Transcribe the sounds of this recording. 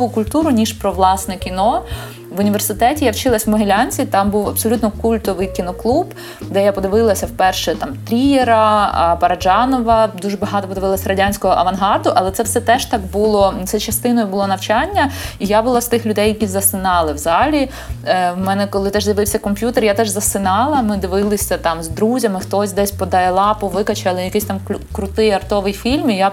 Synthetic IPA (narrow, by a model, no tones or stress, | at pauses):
ʋʊkʊlʲt̪uɾʊnʲiʃpɾɔʋlˠɑsnɛkʲinɔ | ʋʊnʲiʋe̞rsɪt̪ɛtʲijawt͡ʃɪlˠɐsʲmɔɦelʲanʲt͡sʲit̪ɑmbuwɐpsɔlʲut̪nɔkulʲt̪ɔʋɪjkʲinɔklˠub | d̪ɛjapɔd̪ɪʋɪlˠɐsʲɐwpɛrʃɛt̪ɑmt̪ɾʲijeɾɐpɐɾɐd͡ʒɑnɔʋɐd̪uʒɛbɐɦɑt̪ɔpɔd̪ɪʋɪlˠɐsʲɐɾɐdʲanʲsʲkɔɦɔʔɐʋɐnɦɑrd̪ʊʔɐlˠɛt̪sɛwsɛt̪ɛʒt̪ɑɡ̚bulˠɔt̪sɛt͡ʃɐst̪ɪnɔjʊbʊlˠɔnɐwt͡ʃɑnʲːɐijabʊlˠast̪ɪxlʲʊd̪ɛjɐkʲizɐsɪnɑlˠɪwzɑlʲi | wmɛnɛkɔlˠɪt̪ɛʒzʲjɐʋɪwsʲɐkɔmʲpʲjut̪erjat̪ɛʒzɐsɪnɑlˠɐmɪd̪ɪʋɪlˠɪsʲɐt̪ɑmzd̪ɾuzʲɐmɪxt̪ɔsʲd̪ɛsʲpɔd̪ɑjɛlˠɑpʊʋɪkɐt͡ʃɐlˠɪjɐkɪsʲt̪ɑmkʲkɾʊt̪ɪjɐrt̪ɔʋɪjfʲilʲmija